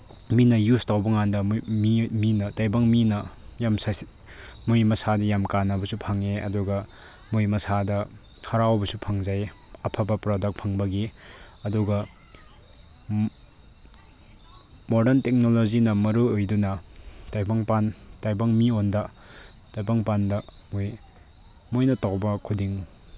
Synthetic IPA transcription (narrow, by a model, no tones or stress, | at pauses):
minɐjustawbɐŋandɐmiminɐtajbaŋminɐjams | mujmɐsadɐjamkanɐbɐsupʰaŋeʔɐ̰duɡɐ | mujmɐsadɐ | hɐɾawbɐsupʰɐŋzaj | ɐpʰabɐpɾodɐk̚pʰɐŋbɐɡi | ɐduɡɐ | modɐntek̚nolozinɐmɐɾuojdunɐtajbɐŋpantajbaŋmiondɐ | tajbaŋpandɐmoj | mojnɐtawbɐkʰudiŋ